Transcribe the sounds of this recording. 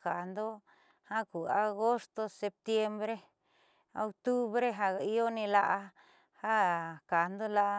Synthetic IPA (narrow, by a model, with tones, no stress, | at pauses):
ka˨nd̪o˦ | ha˦ku˨a˧ɣo˦st̪o˧se˧p̚t̪je˧mbɾe˦ | o˧k̚t̪u˦βɾe˦ɦa˧˦jo˦nĩ˧la˧ʔa˧ | ha˦ka˨nd̪o˦la˧